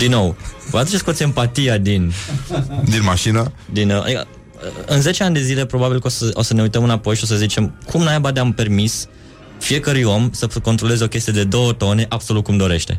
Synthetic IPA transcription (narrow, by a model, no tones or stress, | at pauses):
d̪inːo̞wv̰at̪ut͡ʃeskosiempat̪ijad̪in | d̪inmaʃinad̪ina̰d̪ikə̰ | ɨnze̞t͡ʃeanʲd̪e̞zile̞pɾo̞babilkosəosəne̞ujt̪əmɨnapo̞jʃio̞s̬əzit͡ʃe̞mkʰumnajabad̪eampe̞rmis | fie̞kəɾujo̞msəko̞nt̪ɾo̞le̞zeo̞kʲe̞st̪ijed̪e̞d̪o̞wət̪o̞ne̞ʔabso̞lut̪̚kumd̪o̞ɾe̞ʃt̪e̞̰